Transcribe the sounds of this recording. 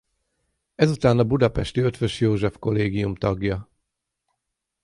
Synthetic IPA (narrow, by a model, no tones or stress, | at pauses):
ɛzut̪aːnɒbud̪ɒpɛʃt̪iøt̪ʋøʃjoːʒɛfko̞leːɡijumt̪ɒɡjɒ